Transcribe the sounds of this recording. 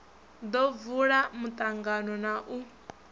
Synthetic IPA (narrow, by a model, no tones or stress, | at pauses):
d̪ɔvuɺamut̪ʼaŋɡanɔnaʔu